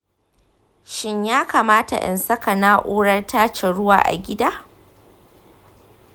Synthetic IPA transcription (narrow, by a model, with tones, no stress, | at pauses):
ʃɪ˦ɲjaː˦kaː˨maː˦ta̰˨ʔɛ̰˨nsɐ˦ka˨naː˦ʔoː˦ɽɐ˦rtʰaː˦t͡ʃe˨ɽʊ˦wa̰ː˨ʔa̰˨ɡʲɪ˦daː˦